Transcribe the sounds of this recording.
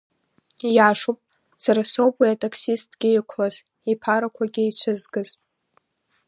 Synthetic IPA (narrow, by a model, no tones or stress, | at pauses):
jaːʂupʼ | saɾasowbʼiatʼakʰsistʰʼɡʲɪɪkʷʰlaz | ipʰaɾakʷʰaɡʲɪit͡ɕʷʰʊzɡɨz